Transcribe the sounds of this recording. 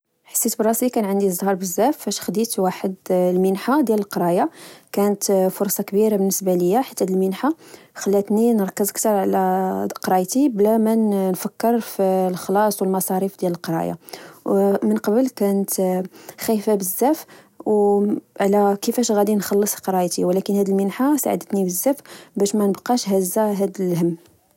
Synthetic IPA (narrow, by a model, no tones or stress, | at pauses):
ħḁsːit̪bərˤːɑslikænʕənd̪izˤhɑɾˤbəzːæfːæʃxd̪it̪waħəd̪lmənħad̪jæləlqɑɾˤɑjakænət̪fʊɾˤsˤɑkbiɾabənːəsbaləjːaħə̥t̪ːæd̪əlmənħa | xəlːæt̪ninəɾˤkːəzək̚t̪ɑɾˤʕlæqɾˤɑjt̪iblæmænnfəkːəɾfilxlɑsˤwəlmɑsˤɑɾifd̪jæləlqɾˤɑ̰ja̰wmənqɑbəlkænət̪xæjfæbəzːæf | wʕlækəfæʃɣæd̪inxɑlːəsˤqɾˤɑjt̪iwlækənhæd̪əlmənħasa̰ʕd̪ət̪nibəzːæfbæʃmænəbqɑʃɦæzːaɦæd̪əlɦəmː